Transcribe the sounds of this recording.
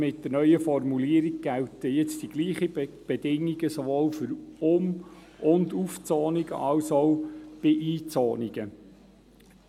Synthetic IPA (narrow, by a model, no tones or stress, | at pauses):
mɪt̚d̥̪əɾnœʏəfɔrmuliəɾiɡ̚ɡæltəjɛt͡sd̥iɡ̥liːχib̥ɛdɪŋːiɡəsoʋoːlfʏɾʊm | ʔʊnd̪uft͡sɔːniɡə̰ʔɑlsɔʊb̥ɪʔiːt͡sɔːniɡ̥ə